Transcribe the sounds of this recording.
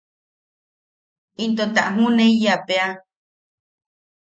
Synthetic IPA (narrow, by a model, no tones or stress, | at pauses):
int̪ot̪a̰ʔɦũnẽijapea